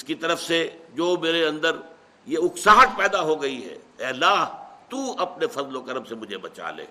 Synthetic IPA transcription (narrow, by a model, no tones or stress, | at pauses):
ɪskit̪ɐɾəfsed͡ʒoːmeːɾeɐ̃nd̪əɾ | jeʊksaːɦəʈ̪̚pɛːd̪aɦoɡɐiɦɛ̰ːɛːɐlːaːɦt̪uːɐpnefɐzlokɐɾəmsemʊd͡ʒʱebɐt͡ʃa̰ːlḛː